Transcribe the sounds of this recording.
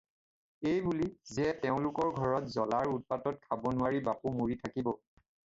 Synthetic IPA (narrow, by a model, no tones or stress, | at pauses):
ejbulizɛteʊ̃lʊkɔɹɡʱɔɹɔtzɔlaɹut̚patɔt̚kʰabɔnʊwaɹibapumuɹitʰakibɔ